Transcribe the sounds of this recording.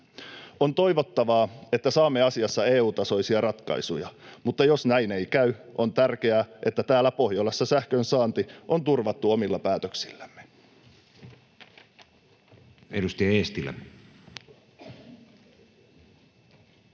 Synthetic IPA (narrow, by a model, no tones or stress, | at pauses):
o̞nt̪o̞jʋo̞t̪ːɑʋɑːe̞t̪ːæsɑːmːeɑsiɑsːɑeːuːt̪ɑso̞isiɑrɑt̪kɑ̰isujɑmut̪ːɑjo̞snæjne̞jkæyʔo̞nt̪ærk̟eæʔe̞t̪ːæt̪æːlːæpo̞hjolːesːɑsæhkønsɑːnt̪iʔo̞nt̪urʋɑt̪ːuo̞milːɑpæːt̪øksilːæmːe̥ | edust̪ɑjɑeːst̪ilːæ̰